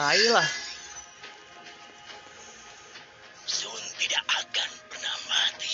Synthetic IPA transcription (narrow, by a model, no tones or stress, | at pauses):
ailah | sʊnt̪idaʔakanpərnahmat̪i